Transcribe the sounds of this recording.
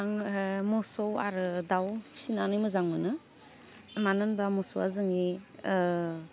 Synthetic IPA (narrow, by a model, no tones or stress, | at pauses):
aŋmɔsɔwa̰ɾɯdawsinanɯjmɯzaŋmɯnɯ | manɯnbamɔsɔa̰zɯŋi